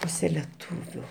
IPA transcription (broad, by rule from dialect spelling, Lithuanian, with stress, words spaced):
ˈpuːsʲɛ lʲɛˈtuːʋʲʊ